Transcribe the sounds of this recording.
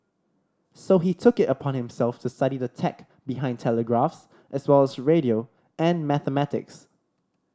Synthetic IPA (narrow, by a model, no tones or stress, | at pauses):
soɦitʰʊkɪtəpʰɔ̃nhɪ̃msɛlˠftʰustaɾidətʰɛk | biɦãɪ̃ntʰɛləɡɹafs | ʔɛswɛlɛsɹeɾio | ɛ̃nmæθəmætɪ̰ks